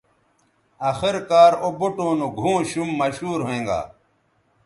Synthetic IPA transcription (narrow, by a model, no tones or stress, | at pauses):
axiɾkaːɾobuʈõːnũɡʱũːɕumːɐɕuːɾɦoẽːŋɡa̰ː